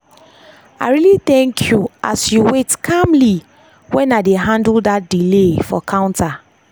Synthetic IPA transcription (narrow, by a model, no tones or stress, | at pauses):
aɪɹiliθɛ̃ŋkʰjuasjuwetkʰamli | wɛ̃nadeɦãndldat̚dilefɔ̰kʰãʊ̃ntʰa